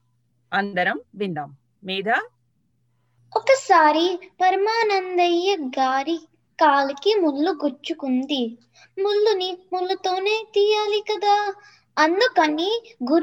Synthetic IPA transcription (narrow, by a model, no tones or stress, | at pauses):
ɐnd̪ɐɾɐmʋind̪ɐmː | iːd̪ɐ | ɔkɐsaːɾipɐɾmaːnɐnd̪ɐjːɐɡaːɾi | kaːlɐkimulːuɡuɾt͡ʃukund̪i | muɭːunimulːut̪o̞ːneːt̪iːjaːlikɐd̪aː | ɐnd̪ukɐnːiɡuɾ